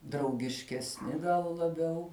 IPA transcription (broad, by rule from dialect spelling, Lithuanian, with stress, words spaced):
drɐʊɡʲɪʃʲkʲɛsʲˈnʲɪ ɡɐlˠ lˠɐˈbʲɛʊ